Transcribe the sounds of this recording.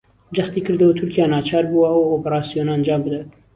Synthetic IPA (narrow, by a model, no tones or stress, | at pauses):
d͡ʒɛxt̪iːkʰɨɾd̪ɐwut̪ʰʊɾkijaːnɑːt͡ʃʰɑːɾbuwɐwoːpɛɾɑːsijoːnand͡ʒɑːmbɨd̪at̪